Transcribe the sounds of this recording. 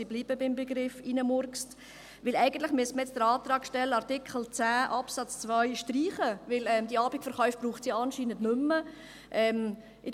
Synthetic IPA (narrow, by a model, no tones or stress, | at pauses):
ibliːbəbɪmbɛɡɾɪfinəmʊɾkst | ʋɪlɛɪɡəntlɪχmyəsməɛt͡sd̥əɾɑːt̪ɾɑːkʃtɛlːəɑɾtɪkχl̩t͡sæːʔɑpsɑt͡st͡svœʏʃtriːχəvɪlɛmd̥iɑːbikfəɾχœʏfb̥ruːχtt͡sjiɑnʃiːnəntnʏmːə | ʔɛm | ʔɪ